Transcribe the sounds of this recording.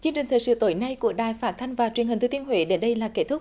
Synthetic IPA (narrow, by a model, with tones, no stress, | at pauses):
t͡ɕɨ˧əŋt͡ɕi˨˩ŋ̟t̪ʰəː˨˩jsɨ̰˧˨˦t̪o˨˦jna˧jku˧˩əɗaː˨˩jfaː˦˥t̚t̪ʰa˧jŋ̟vaː˨˩t͡ɕwənhi˨˩ŋ̟t̪ʰɨ˧˩t̪i˧ənɦwḛ˧˦ɗe˨˦nɗə˧jlaː˨˩ke˦˥t̚t̪ʰʊ˦˥k͡p̚